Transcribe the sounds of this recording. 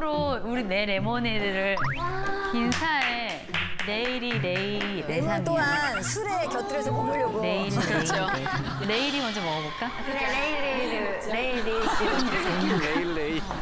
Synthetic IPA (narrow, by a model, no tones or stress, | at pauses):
ɾouɾine̞ɾe̞monedɯɾɯɭ | kinsʰae | ne̞iɾinei | ɾeat̪͈oɦansʰuɾekjʌt͈ʰɯɾesʰʌkomuʎːʌɡone̞iɾikɯʌo | ne̞iɾimʌnd͡ʑʌmʌɣʌboɭk͈akɯɾeneiɾeiɯ | leiɾit͡ɕiɡɯeilːei